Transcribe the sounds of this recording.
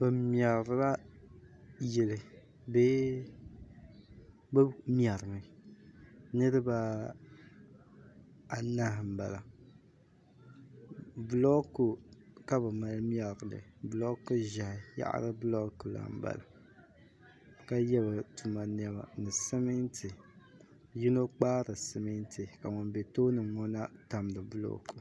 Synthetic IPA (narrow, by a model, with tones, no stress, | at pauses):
bɨ˨m˦a˨ɾɨ˦la˦ | jɛ˨lɨ˨ | be˦ | bɨ˦mja˨ɾɨ˨mɨ˨ | nɨ˦ɾɨ˦ba˦ | a˨na˦hm̩˨ba˨la˨ | blɔ˦ku˨ka˦bɨ˨ma˨lm˦ɛ˦lɡɨ˨lɨ̰˨blɔ˦ku˦ʒa˨hja̰˦ʔa̰˦ɾɨ˦blɔ˦ku˨la̰˨m˦ba̰˨la̰˨ | ka˦jɛ˦ba˨tu˨ma˨n˦ɛ˦ba̰˨nɨ˨sɨ˦mɨ˦ntʰɨ˨ | ji˦no˦k͡paː˦ɾɨ˨sɨ˨mɨ˦n˦tʰɨ˨ka˨ŋɔ˨nbɛ˨toː˦nɨ˨ŋɔ˦na˦ta˨m˨dɨ˨blɔ̰˦ku˨